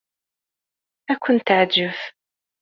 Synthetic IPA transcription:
ækʷʰʊnt̪aʕd͡ʒəf

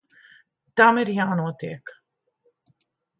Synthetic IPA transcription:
d̪̥ameɾjaːnot̪ḛk

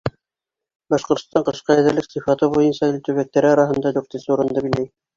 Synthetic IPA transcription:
bɑʃqŏɾt̪ŏ̥st̪ɑɴqɤ̆ʃqɑjæðæɾlɘksĭfɑt̪ɤbujɤnsɑilt̪ɵ̆βæk̚t̪æɾɘɑɾɑɦɤ̆nd̪ɑd̪uɾt̪ɘnsɘuɾɤ̆nd̪ɤbilæj

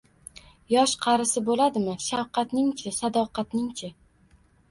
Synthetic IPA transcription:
jɒʃqʰɑɾɪsɪbolad̪ɪmɪʃawqɑt̪nɪŋt͡ʃʰɪsad̪ɒqɑt̪nɪŋt͡ʃʰɪ

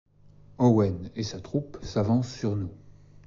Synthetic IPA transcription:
ɔwɛnesat̪χupsavɑ̃sːyʁnu

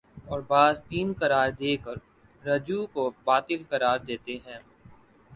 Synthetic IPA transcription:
ɔːɾbaːzt̪iːnkɐɾaːɾd̪eːkəɾː | ɐd͡ʒukobaːt̪ɪlkɐɾaːɾd̪eːt̪eɦɛ̃ː

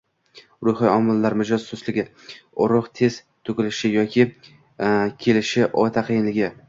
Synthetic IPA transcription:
ɾʊjχɨjɒmɪlːaɾmɪd͡ʒɒz̥ːoslɪɡʲɪ | ʊɾʊqt̪ʰe̞z̥t̪ʰʊkʲɪlɪʃɪjɒkʲʰɪ | kʲʰe̞lɪʃɪʔɒt̪ʰaqʰɨjɪnlɪɡʲɪ

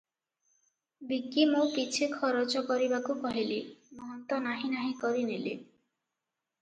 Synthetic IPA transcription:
bikːimokit͡ʃʰikʰɔɾot͡ʃɔkɔɾibakukɔɦilimɔɦɔnt̪ɔnaɦĩnaɦĩkɔɾinili

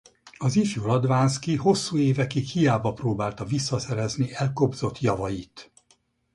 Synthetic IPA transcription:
ɒzifjulɒd̪vaːnskiɦo̞sːuːeːvɛkikhijaːbɒproːbaːlt̪ɒvisːɒsɛɾɛzniɛlko̞bzo̞t̪jɒvɒjit̪

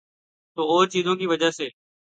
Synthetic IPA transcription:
t̪oːoːɾt͡ʃiːzõːkiːʋəd͡ʒaseː

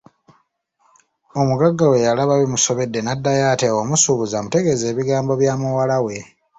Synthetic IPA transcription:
o̞muɡaɡːawe̞jalaβaβimuso̞βe̞dːe̞nadːajaːteomusuβuzamute̞ɡe̞ze̞ːβiɡaːmbo̞βjaːmuwalawe̞

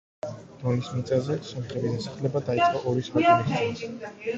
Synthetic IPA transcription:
mɔlismit̪sʼazɛsɔmχɾɛbid̪asaχlɛbad̪ait̪ssʼqʼɔʔɔɾisaaiʃʰi

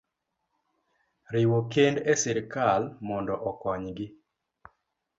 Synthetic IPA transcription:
ɾɪwokendesɪɾkalmɔndɔʔɔkɔɲɡɪ

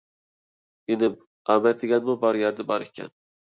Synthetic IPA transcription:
enɪ | ɑmɛt̪̚d̪ɪɡʲɛnmʊbɑɾjæɾd̪ɪbɑɾekʰʲɛ̰n

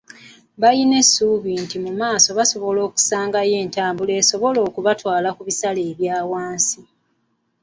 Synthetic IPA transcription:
βajine̞sːuːβintimumaːso̞βaso̞βo̞lo̞ːku̥saːŋɡaje̞ːntaːmbule̞ːso̞βo̞lo̞ːkuβatwaːlakuβisaleːβjaːwaːnsi

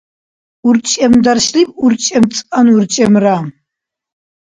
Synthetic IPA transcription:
urt͡ʃʼɐmd̪arʃlipʼurt͡ʃʼɐmt͡sʼanurt͡ʃʼɐmra

